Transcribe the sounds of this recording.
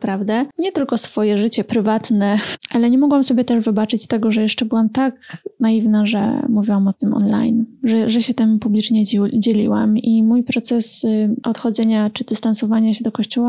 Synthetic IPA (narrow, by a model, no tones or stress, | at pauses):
pɾavd̪ɛɲɛt̪ɘlkɔsfɔjɛʐɘt͡ɕɛpɾɘvat̪nɛʔalɛɲɛmɔɡwamsɔbʲjɛt̪ɛʐvɘbat͡ʂɘt͡ɕst̪ɛɡɔʐɛjɛʂt͡ʂɛbɘwamt̪aknaivnaʐɛ̰muvʲiwamɔt̪ɘmɔ̰nla̰jnʐɛʐɛɕɛt̪ɛmupublʲit͡ʂɲɛd͡ʑelʲḭwa̰mimujpɾɔt̪sɛsɔt̪xɔd̪zɛɲat͡ʂɘd̪̥ɘst̪ansɔvaɲaɕɛd̪ɔkɔɕt͡ɕɔwa